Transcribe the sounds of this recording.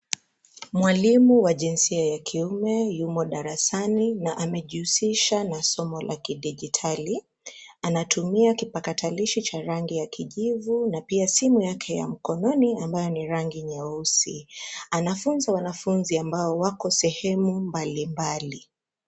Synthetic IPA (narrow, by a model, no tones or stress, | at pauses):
mwalimuwaʄinsiajakʰiumɛjumɔɗaɾasaninaʔamɛʄiusiʃanasɔmɔlʔa̰kiɗiʄitʰali | anatʰumiakipakatʰaliʃit͡ʃaɾaŋɡijakʰiʄivunapiasimujakʰɛja̰m̩kɔnɔniambajɔniɾaŋɡiɲɛɔusianafunzawanafunziambaɔwakɔsɛhɛmumbalimbali